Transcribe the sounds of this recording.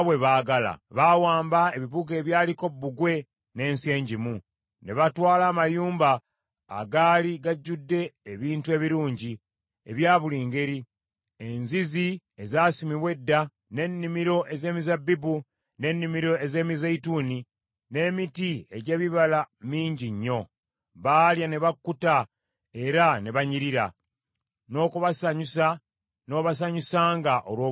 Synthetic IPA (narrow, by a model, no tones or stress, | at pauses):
βwe̞βaːɡala̰βawaːmbae̞βiβuɡe̞ːβjaːliko̞bːuɡwe̞ | ne̞ːnse̞ːɲɟimu | ne̞βatwaːlaːmajuːmba̰ː | ɡaːliɡaɟːudːe̞ːβiːntue̞βiɾuːɲɟi | ḛβjaːβuliːŋɡe̞ɾi | enzizi | ezaːsimiβwe̞dːa | ne̞nːimiɾo̞ʔe̞ze̞ːmizabːibu | ne̞nːimiɾo̞e̞ze̞ːmizaituːni | ne̞ːmitie̞ɟe̞ːβiβalamiːɲɟiɲːo̞ | βaːljane̞βakːuta | e̞ɾane̞βaɲiɾiɾa̰ | no̞ːkuβasaɲusa | no̞ːβas̬aɲusaːŋɡaʔo̞lwoː